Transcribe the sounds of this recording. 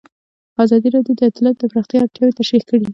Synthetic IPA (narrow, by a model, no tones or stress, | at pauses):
ɑzɑd̪iɾɑɖjod̪əɪt̪lat̪̚d̪əpɾaxt̪jɑːɾt̪jɑwet̪aʃɾixkəɽi